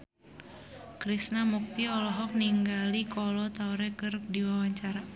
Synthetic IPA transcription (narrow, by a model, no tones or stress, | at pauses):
kɾisnamuk̚t̪iɔlɔɦɔk̚niŋɡalikɔlɔt̪auɾɛkɨr̚diwawaɲt͡ʃaɾa